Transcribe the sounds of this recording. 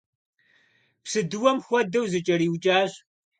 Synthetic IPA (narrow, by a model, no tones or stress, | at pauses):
psɨdɨwɐmxʷɔdɐwzɨt͡ʃʼɐɾiːwt͡ʃʼaːɕ